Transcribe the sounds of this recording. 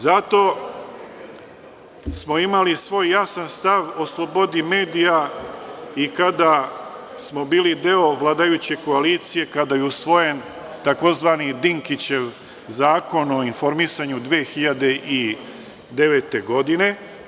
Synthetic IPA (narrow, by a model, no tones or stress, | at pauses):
zat̪o̞ | smo̞imalisʋo̞ːjːasanst̪aʋo̞slˠo̞bo̞d̪ime̞ːd̪ija | ikad̪asmobiːlid̪e̞o̞ʋlˠaːd̪ajut͡ɕe̞ko̞aliːt̪sije̞kad̪ajeusʋo̞je̞n | t̪ako̞zʋaːnid̪iŋkit͡ɕe̞ʋ | zaːko̞no̞info̞ɾmisaɲud̪ʋeːxiʎad̪e̞ʔi | d̪e̞ʋe̞t̪e̞ɡo̞d̪ine̞